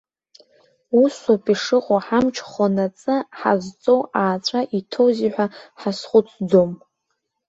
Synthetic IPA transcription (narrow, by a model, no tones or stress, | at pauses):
usapʼiʂɨqʼoħamt͡ʃʰχanat͡sʼɨħa̰zt͡sʼowaːt͡sʷʼaʔitʰo̞wziħʷᶣaħasχʷʊt͡sʰd͡zom